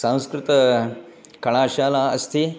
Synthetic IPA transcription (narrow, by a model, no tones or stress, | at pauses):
sãw̃skɾɪt̪ɐ | kɐɳ̃aːʃaːlaːɐ̰st̪ʰi